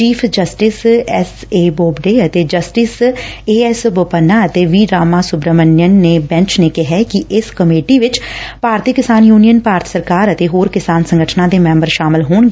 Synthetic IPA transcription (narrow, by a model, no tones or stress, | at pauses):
t͡ʃiːpʰd͡ʒəsʈɪsɛseːboːbɖeːət̪eːd͡ʒəsʈɪseːɛsbʊpənːaːət̪eːʋiːɾaːmaːsʊbɾəmənjənːeːbɛ̃ɲt͡ʃneːkɪɦɛkɪʔɪskəmeːʈiːʋɪt͡ʃpaːɾt̪ikɪsaːnjuːnijənpaːɾt̪ʰsəɾkaːɾət̪eːɦoːɾkɪsaːnsə̃ŋɡəʈʰnãːd̪eːmɛ̃mbəɾʃaːmɪlɦoːɳɡ